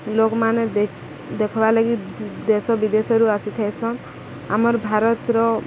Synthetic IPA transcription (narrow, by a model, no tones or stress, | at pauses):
lokɔmane | d̪ekʰɔbalaɡid̪esɔbid̪esɔɾuasit̪ʰajsʰɔn | amɔɾbʱaɾɔt̪ɾɔ